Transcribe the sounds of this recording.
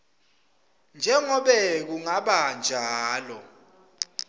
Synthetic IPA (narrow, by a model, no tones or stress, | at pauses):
nd͡ʒʱɛŋɔɓɛk̬uŋaɓand͡ʒʱaːlɔ